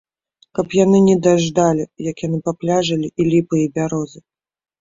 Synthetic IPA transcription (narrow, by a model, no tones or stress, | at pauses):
kɐpjanɨnʲɛd̪aʐd̪alʲijɐkjanɨpaplʲaʐɐlʲiʔilʲipɨjibʲaɾɔzɨ